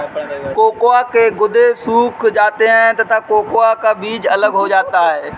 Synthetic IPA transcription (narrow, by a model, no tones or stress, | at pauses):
koːkoakeɡʊd̪ʱesuːkʰd͡ʒaːt̪eɦɛ̃t̪ɐt̪akoːkoakabiːd͡ʒɐləɡɦod͡ʒaːt̪aɦeː